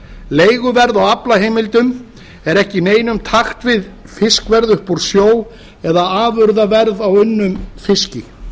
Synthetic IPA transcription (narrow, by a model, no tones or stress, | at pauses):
leːjɣʏvɛɾðawaplaɦeːjmɪlt̪ʏm | ɛɾɛhcɪneːjnʏmt̪ʰaxt̪vɪð | fɪskvɛɾðʏhpɔɾ̥sjoːw | ɛðaaːvʏɾðavɛɾðawʏnːʏmfɪscɪ̰